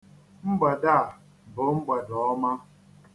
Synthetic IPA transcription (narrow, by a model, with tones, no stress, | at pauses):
ŋ͡m̩˦ɡ͡ba˨da˦˨ | bʊ˨˦ŋ͡m̩˦ɡ͡ba˨dɔ˦ma˦